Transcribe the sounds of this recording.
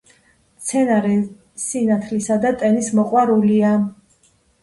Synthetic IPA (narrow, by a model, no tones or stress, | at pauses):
t̪sʰɛnaɾɛ | sinat̪ʰlisad̪at̪ʼɛnismɔqʼwaɾulia